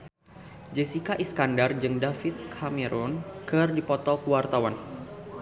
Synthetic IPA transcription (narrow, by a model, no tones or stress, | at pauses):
d͡ʒɛsikaʔiskandard͡ʒɨŋdafit̪̚kʰameɾʔɔnkɨrdipɔt̪ɔkuwart̪awan